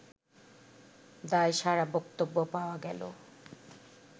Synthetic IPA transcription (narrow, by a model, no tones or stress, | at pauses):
d̪aeʃaɾabɔkt̪obːopaoaɡɛlo̰